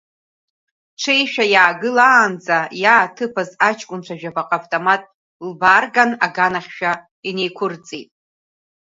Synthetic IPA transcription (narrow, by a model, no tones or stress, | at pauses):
ʈ͡ʂʰejʃᶣajaːɡɨlaːnd͡zajaːtʰɨpʰazat͡ʃʰʼkʷʼʊnt͡ʃʷʰaʒᶣapaqʼaftʼomatʼ | lbarɡanaɡanaχʲʃᶣa | ine̞jkʷʰʊrt͡sʼitʼ